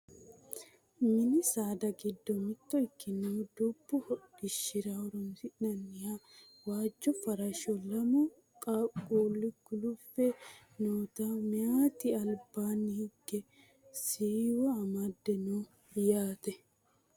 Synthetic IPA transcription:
mɪnɪsaːd̪ɐɡɪd̪ːɔmɪt̪ːɔɪkːɪnod̪ɔbːʊhɔᶑɪʃːɪɾaɔɾɔmsɪnɐnːɪja | waːd͡ʒːɔfɐɾɐʃɔlɐmɔ | kʼaːkʼuːlːɪɡʊlʊfːɛ | noːt̪amɛaːt̪ɪɐlbaːnːɪhɪɡɛ | siːwɐːmad̪ːɛnoː | jaːt̪ɛ

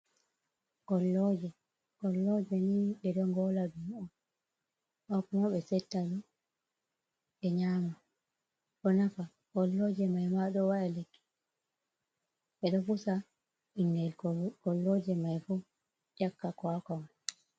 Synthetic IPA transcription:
kɔlːɔd͡ʒɛ | ɡɔlːɔd͡ʒɛniɗɛɗɔŋɡɔladumɔ | ɓakumaɓɛsɛtːaɗɔ | ɛɲaːma | ɗɔnafa | kɔlːɔd͡ʒɛmajmaɗɔwaɗalekːi̥ | ɓɛɗɔfusa | inːɛlkɔɡɔlːɔd͡ʒɛmajfu | jakːakɔakɔma

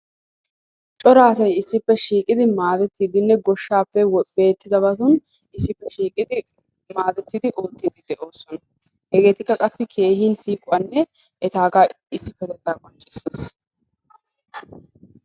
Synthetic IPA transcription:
t͡ʃʼɔɾaːsɐjɪsːɪpːɛʃiːkʼɪd̪ɪmaːd̪ɛt̪ːiːd̪ɪnːɛɡɔʃːaːpːɛwɔbe̞ːt̪ːɪd̪ɐbɐt̪ʊn | ɪsːɪpːɛʃiːkʼɪd̪ɪ | maːd̪ɛt̪ːid̪ɪʔo̞ːt̪ːiːd̪ɪd̪ɛʔoːsɔnɐ | hɛɡe̞ːt̪ɪkːɐkʼɐsːɪkʰe̞ːɦiːnsiːkʼʊwanːɛ | ʔɛt̪aːɡaː | ɪsːɪpːɛd̪ɛt̪ːaːkʼɔnt͡ʃʼːɪsːes

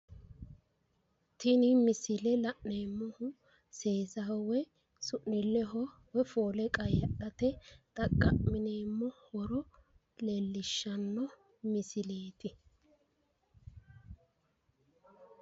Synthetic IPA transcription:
t̪ɪnɪmɪsɪlɛlɐʔneːmːɔhʊ | se̞ːzɐɔwɛ | sʊʔːɪlːɛɦɔ | wɛfoːlɛkʼɐjɐɗɐt̪ɛt̪ʼɐkʼːɐʔmɪneːmːɔwɔɾɔ | lelːɪʃːɐnːɔ | mɪsɪleːt̪ɪ

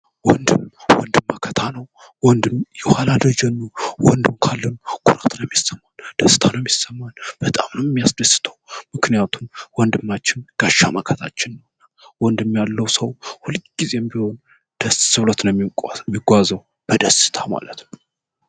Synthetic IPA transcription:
wɔnd̪ɨmwɔ̰nd̪ɨmːakʰət̪ʰanəw | wɔnd̪ɨmjɛhalad̪əd͡ʒɛnːuwɔnd̪ɨmkʰalːənukʰʼuɾat̪nəmːjisːəmːand̪̥əsːɨ̥t̪ʰanəmjisəmːalb̥ət̪ʼamnəwjɛmːijasd̪əsːɨ̥t̪ʰəwmɨknijat̪ʰumwɔnd̪ɨmːat͡ʃːɪnɡ̥aʃːamakʰət̪ʰat͡ʃːɪnːəwnːa | wɔnd̪ɨmjalːəwsəwhulɨd͡ʒɡize̞jɛmbiho̞n | d̪̥əssɨwlət̪nəmːiɡʷazəw | b̥əd̪əsɨ̥t̪ʰama̰lət̪nəw

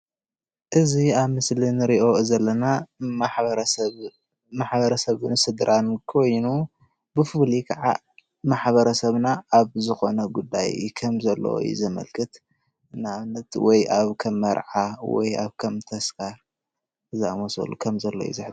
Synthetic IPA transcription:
ʔɨziaβmɨslinɨɾiʔo̞zɐlːɐnamaħɾɐ | maħβɐɾɐsɐβnɨsɨd̪ɾʔankʰo̞jnu | bɨfɨlikʰɐʕa̰ | maħβɐɾɐsɐβnaʔaβzɨxo̞nɐɡud̪ːa̰jkʰɐmzɐlːo̰wo̰jṵzɐmɐ̰lkʰɨt̪ | ɨnːaβnːɐt̪wɔjaβkʰɐmːɐɾʕawɔ̰ja̰βkʰɐmt̪ʰɐsfaɾ | zɨamosɐ̰lukʰɐmzɐlːo̰jṵzɨħt

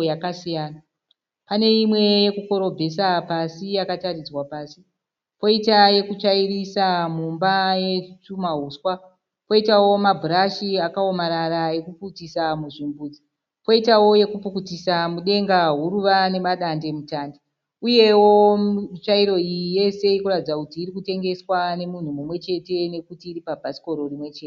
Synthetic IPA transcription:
jakasijaːna | pane̞imwe̞jekuko̞ɾo̞bʱe̞sapasijakatarid͡zwapaːsi | po̞itaje̞kut͡ʃairisamumbaje̞t͡ʃumaɦuːswa | po̞itawo̞mabʱuɾaʃiakao̞maɾaɾae̞kuputisamuʐimbuːd͡zi | po̞itawo̞je̞kupukutisamuɗe̞ŋɡaɦuɾuʋane̞maɗande̞mutaːnde | uje̞wo̞t͡ʃaiɾo̞ije̞se̞ikuradid͡zakutiːɾikute̞ŋɡe̞swane̞mun̤umumwe̞t͡ʃe̞te̞ne̞kutiːɾipabʱasi̥ko̞ɾo̞rimwe̞t͡ʃete

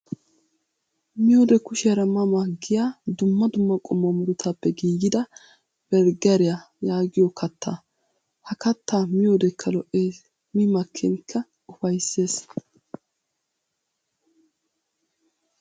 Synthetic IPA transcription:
mɪjoːd̪ɛkʊʃɪjɐɾɐmɐmaɡɪjaːd̪ʊmːɐd̪ʊmːɐkʼɔmːomʊɾʊt̪ʰapːɛɡiːɡɪd̪ɐ | b̥ɛɾɡɐɾɪja | jaːɡɪjɔkʰɐt̪ʰːa̰ː | hɐkɐt̪ʰːaːmɪjoːd̪ɛkʰːɐlɔʔeː | mɪmɐkʰːɛnkʰːɐ | ʊfɐjsːe̞ːs

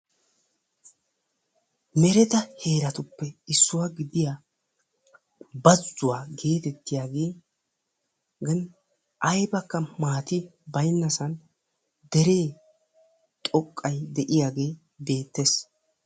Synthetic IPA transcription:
mɛɾɛt̪ɐhe̞ːɾɐt̪ʊpːɛɪsːʊwaːɡɪd̪ɪjaː | bɐzːʊwaːɡe̞ːt̪ɛt̪ːɪjaːɡe̞ː | ɡɐn | ʔɐjbɐkːɐmaːt̪ɪbɐjnːɐsɐn | d̪ɛɾeː | t̪ʼɔkʼːɐjd̪ɛʔɪjaːɡe̞ː | be̞ːt̪ːes

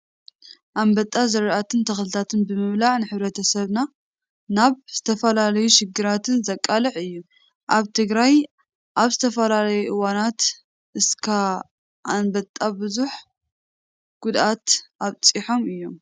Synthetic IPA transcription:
ʔambɐt̪ʼːazɐɾʔat̪ʰɨnt̪ʰɐxlɨt̪ʰat̪ʰɨnbɨmɨmlaʕnɨħɨβɾɐt̪ʰɐsɐβna | naβz̥ɨt̪ʰɐfɐlalɐjuʃɪɡːɨɾat̪ʰɨnzɐkʼːalɨʕɨjːu | ʔaβt̪ʰɨɡɾaj | ʔaβzɨt̪ʰɐfɐlalɐjuʔɨwanat̪ | ʔɨskʰa | ʔanbɐt̪ʼːabɨzuħ | ɡ̥ʊd̪ʔat̪ʔaβt͡sʼiħo̞mɨjːo̞m

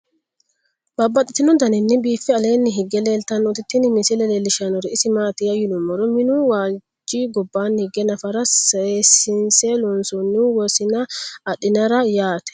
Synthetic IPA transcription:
bɐbːɐt̪ʼɪt̪ːɪnɔd̪ɐnɪnːɪbiːfːɛɐle̞ːnːɪɦɪɡːɛleːlt̪ɐnːɔt̪ɪt̪ːɪnɪmɪsɪlɛleːlːɪʃanɔɾɪʔɪsɪmaːt̪ɪjɐjɪnʊmɔɾɔmɪnuwaː | d͡ʒiːɡɔbːaːnhɪɡɛnɐfɐɾɐsɐsɪnseːlɔnsɔnːɪwɔsɪnɐɐᶑɪnɐɾɐjaːt̪ɛ̥

